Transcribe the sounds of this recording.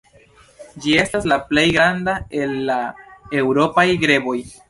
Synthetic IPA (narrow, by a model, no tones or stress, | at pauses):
d͡ʒie̞staslaple̞jɡɾandae̞lːaewɾo̞pajɡɾe̞bo̞j